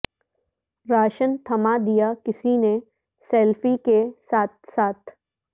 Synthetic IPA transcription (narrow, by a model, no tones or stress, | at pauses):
ɾaːʃənt̪ʰɐmad̪ijakɪsine | sɛːlfikesaːt̪saːt̪ʰ